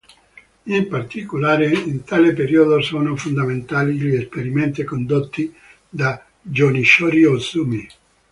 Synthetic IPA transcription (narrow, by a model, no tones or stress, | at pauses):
impart̪ikolaːɾeint̪aːlepeɾiod̪osoːnofond̪ament̪aːliʎiespeɾiment̪ikond̪ot̪ːi | d̪a | d͡ʒɔniʃɔɾiosumi